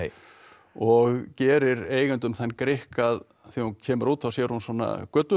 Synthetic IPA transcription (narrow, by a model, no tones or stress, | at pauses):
ɔɣcɛːɾɪɾeːjɣʏnt̪ʏmθanːkɾɪhkað | θihuncʰɛːmʏɾuːt̪θawsjɛːɾ̥hunswɔːnːa̰kœt̪ʏ